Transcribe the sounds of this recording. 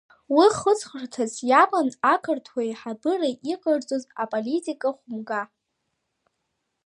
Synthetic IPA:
wiχət͡sʰʼχərtʰazjamanakʰartʰwajħabɨraʔiqʼard͡zʼozapʼolitʼikʼaχʷʊmɡa

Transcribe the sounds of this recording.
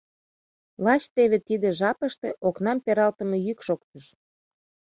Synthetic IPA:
lɑt͡ɕt̪eβet̪id̪ĕʒɑpəʃt̪eʔoknɑmpeɾɑlt̪ə̆mejykʃok̚t̪əʃ

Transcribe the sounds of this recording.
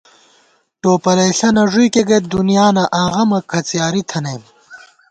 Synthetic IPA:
ʈoːpɐlɐɬɐnɐʐujkeɡɐt̪̚d̪unijaːnɐʔaːɣɐmɐkʰɐt͡sjaːɾit̪ʰɐneːm

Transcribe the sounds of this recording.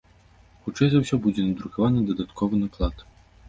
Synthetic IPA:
xut͡ʂɛjzɐwsʲɔbud͡zʲɛnɐd̪ɾukavanɨd̪ɐd̪at̪kʰɔvɨnaklˠat̪

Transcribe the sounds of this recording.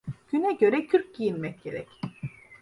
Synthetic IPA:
ɟ̥ynɛɟø̞ɾɛcʰyɾc̚ɟijinmɛc̚ɟe̞ɾɛc

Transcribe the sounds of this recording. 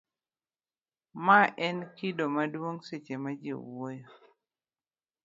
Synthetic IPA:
maʔɛnkidomadwoŋset͡ʃemad͡ʒḭwojo

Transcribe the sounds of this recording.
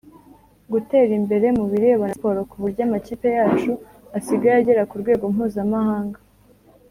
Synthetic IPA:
ɡute̞ːɾimbe̞ɾe̞muβiɾeβanapoɾokuβuɾɟamaciːpe̞jaːt͡ʃu | asiɡaɾaɟeɾakuɾɡwe̞ːɡo̞mhuːzamahaːŋɡa

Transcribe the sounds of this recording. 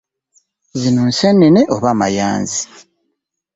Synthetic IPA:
zinonsenːeneʔoβama̰ja̰ːnzi

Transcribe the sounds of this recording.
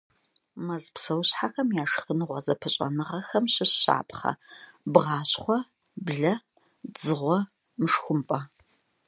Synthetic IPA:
mɐzpsɐwɕħaxɐmjaːʂxɨnɨʁʷɐzɐpʰɨɕʼɐ̰nɨʁɐxɐmɕɨɕɕa̰ːpʰʼχɐ̰bʁɑːɕχʷɔ | bɮɐ | d͡zɨʁʷɔ | mɨʂxʷʊmpʼɐ

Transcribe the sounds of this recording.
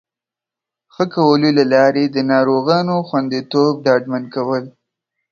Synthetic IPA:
xəkawəlolalɑɾed̪ənɑɾoɣɑnoxwand̪it̪ob̚ɖɑɖmankawəl

